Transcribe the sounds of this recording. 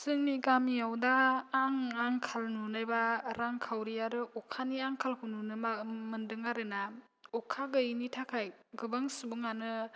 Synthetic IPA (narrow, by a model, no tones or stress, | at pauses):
sɯŋnikamijawdaːŋaŋkʰalnunajbaɾaŋkʰawɾijaɾɯʔɔkʰaniaŋkʰalkʰɯnunɯmɯndɯŋaɾɯna | ɔkʰaɡɯjnitʰakʰajɡɯbaŋsubɯŋanɯ